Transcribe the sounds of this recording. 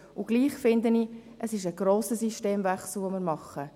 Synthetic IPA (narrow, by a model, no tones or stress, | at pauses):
ʊɡ̥liːχfɪnd̪əniʔəsɪʃəɡ̥ɾoːsəsiʃteːmvæχsl̩ˠʋomɪɾmɑχːə